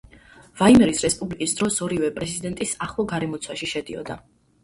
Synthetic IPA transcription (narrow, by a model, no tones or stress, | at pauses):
vaimɛɾisɾɛspʼublikʼisd̪ɾɔsɔɾivɛpʼɾɛzid̪ɛnt̪ʼisaχlˠɔɡaɾɛmɔt̪sʰwaʃiʃɛd̪iɔ̰d̪a